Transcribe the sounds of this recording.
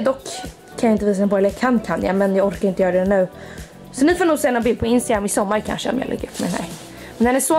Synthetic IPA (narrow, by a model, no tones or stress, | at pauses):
d̪ɔkʰː | anjaɪnt̪əviːsannpʰɔɛləjakʰanːkʰanja̰mɛnjɑːɔɾkaɾɪnt̪əjœːɾadɛnʉ̟ː | sɔnɪfoːnuːɡsɛːanɔbɪlpʰɔɪnst̪aɡɾamːɪsɔmːaɾkʰa̰nʂəɔ̰mja̰lʔɛ̰ɡːəɾɵpːmɛ̰nɛ̰ɾ | mɛnd̪ɛnæsɔ